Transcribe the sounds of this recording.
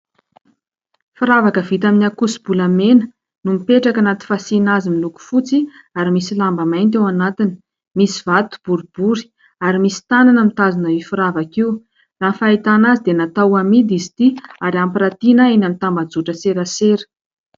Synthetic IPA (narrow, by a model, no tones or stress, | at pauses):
fuɾavakəvit̪aminiakusi̥b̥ulamenə̥ | numipeʈ͡ʂakanat̪i̥fasinazimiluku̥fut͡si | aɾimisilambəmajnt̪̬ewanat̪ini̥ | misiv̥at̪u̥b̥uɾub̥uɾi̥ | aɾimisi̥t̪ananəmit̪azanaifuɾavakiu | ranfait̪anazid̪enat̪awamid̪izi̥t̪iaɾiampirat̪inaenamit̪ambad͡zuʈ͡ʂəseɾaseɾə̥